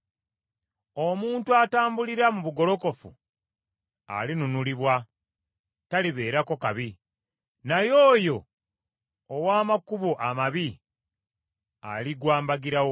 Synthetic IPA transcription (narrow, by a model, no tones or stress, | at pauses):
o̞muːntuataːmbuliɾamuβuɡo̞lo̞ko̞fṵ | a̰linunuliβwa | taliβeːɾako̞kaβi | najoːjo̞ | waːmakuβuʔamaβi | a̰liɡwaːmbaɡiɾawo